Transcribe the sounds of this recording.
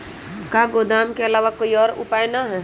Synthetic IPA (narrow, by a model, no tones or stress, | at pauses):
kaːɡoːd̪aːmkeɐlaːʋakoːiɔːɾʊ̰paːjnaɦɛː